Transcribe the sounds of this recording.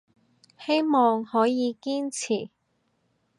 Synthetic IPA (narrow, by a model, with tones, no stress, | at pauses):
he˥jmɔː˨ŋhɔː˨˥jiː˨˧kiː˥nt͡sʰiː˨˩